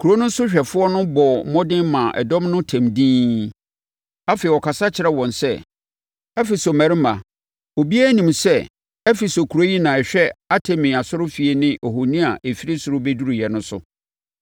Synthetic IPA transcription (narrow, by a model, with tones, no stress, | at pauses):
kʰu˨ɾo˦nʊ̃˦n̩˦sʊ˦ɕᶣɛ˨fʊ˦ɔ˦nʊ̃˦bɔ˨m̩˨mɔ̃˦dɪ̃˦mã˨ʔɛ̰˨dɔ̃˦mnʊ̃˦tʰæ̃˨mdĩː˦ | a˦fe˨wɔ˨kʰa˨sa˦t͡ɕʰɪ˨ɾɛ˦wɔ̃˨nsɛ˦ | ɛ˦fi˨so˨mæ̃˨ɾɪ˦mã˨ | o˨bi˦æ˦nĩ˨msɛ˦ | ɛ˦fi˨so˨kʰu˨ɾo˦ji˦nã˨ɛ˨ɕᶣɛ˦a˦tʰɛ˨mĩ˨a˨sʊ˦ɾʊ˦fi˨e˨nɪ̃˦ʔo˨ɦo˨nĩ˦a˨ʔe˨fi˦ɾi˦sʊ˨ɾʊ˦be˦du˦ɾu˨jɛ˨nʊ̃˦sʊ̰˦